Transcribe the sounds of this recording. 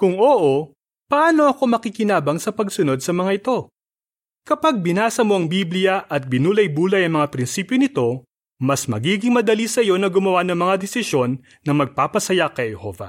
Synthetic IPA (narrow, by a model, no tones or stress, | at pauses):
kʊŋʔoːʔo | pɐʔaːno̞ʔɐko̞mɐkikɪnaːbɐŋsɐpɐɡsʊno̞d̪̚sɐmɐŋaɪt̪o̞ | kɐpaɡ̚bɪnaːsɐmo̞ʔɐŋbiblɪjɐʔɐt̪̚bɪnuːlɐjbuːlɐjɐŋmɐŋapɾɪnsiːpjonɪt̪o̞ | mɐsmɐɡiːɡɪŋmɐd̪ɐlisɐjo̞nɐɡʊmɐwanɐŋmɐŋad̪ɛsɪʃjo̞nː | ɐmɐɡ̚paːpɐsɐjakɐjhɛho̞̰vɐ̰